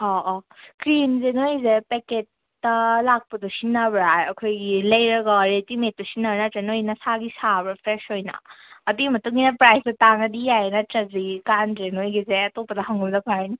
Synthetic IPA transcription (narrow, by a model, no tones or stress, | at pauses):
ɔʔkɾinzenojzepeket̚ː | ɐlak̚pɐdusinːabɾajɐkʰojɡilɐjɾɐɡɔɾetimet̚dusinːabnɐtenojnɐsaɡisabɾapʰɾesojnɐ̰ɐdimɐtuŋɡinɐpɾajsdɐtaŋɐdijajenɐtɾɐzikanɾenojɡizeɐtopɐdaɦaŋɡɯbdɐpʰajni